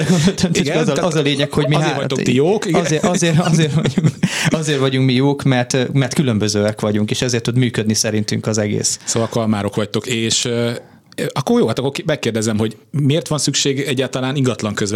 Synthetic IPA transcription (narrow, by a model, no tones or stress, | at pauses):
ɛɡond̪olt̪ʰøntiɡɛɒzɒzɒleːɲɛkho̞ɟmieːɾɒt̪oijoːkiɡzeɒzeːrɒzeːrʋɒɟuŋkɒzeːrʋɒɟuŋkmijoːkmɛrt̪mɛrt̪kylømbøzøːɛkʋɒɟuŋkeːʃɛzeːrt̪ːud̪myːkød̪nisɛɾint̪yŋkɒzɛɡḛːssoːvɒlkɒlmaːɾo̞kʋɒct̪o̞keːʃ | ʔɒkːorjoːɦat̪ɔkːokːmɛkːeːrd̪ɛzɛmɦo̞ɟmeːrt̪ʋɒnsykʃeːɡɛɟːaːlt̪ɒlaːniŋɡɒt̪lɒŋkøzɛ